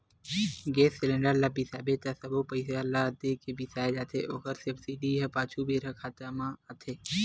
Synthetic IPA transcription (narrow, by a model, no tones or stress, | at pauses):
ɡeːsːɪlẽɳɖəɾlaːbisaːbet̪asəbopəɪsalad̪ekebʱisaːed͡ʒaːt̪ʰeʔoːkəɾsəbsiɖiɦɐpaːt͡ʃʰubʱiɾɐkʰaːt̪amãːət̪ʰeː